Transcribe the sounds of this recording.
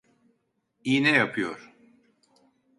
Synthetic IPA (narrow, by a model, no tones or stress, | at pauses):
inɛjapʰɯjo̰ɾ̥